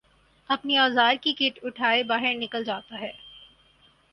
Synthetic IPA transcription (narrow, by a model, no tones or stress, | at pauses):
ɐpniɔːzaːɾkikɪʈʊʈʰaːebaːɦɪɾnɪkəld͡ʒaːt̪aɦɛː